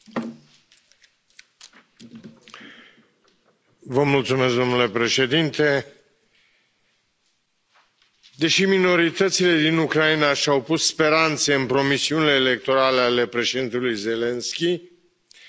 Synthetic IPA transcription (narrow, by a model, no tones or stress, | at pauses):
vəmult̪sume̞sk̚d̪o̞mnule̞pɾe̞ʃe̞d̪int̪e̞ | d̪e̞ʃimino̞ɾit̪ət̪sile̞d̪inukɾainaʃawpusspe̞ɾant̪seɨnpɾo̞misiunile̞ːle̞k̚t̪o̞ɾaleale̞pɾe̞ʃed̪int̪ulujze̞le̞nskʲi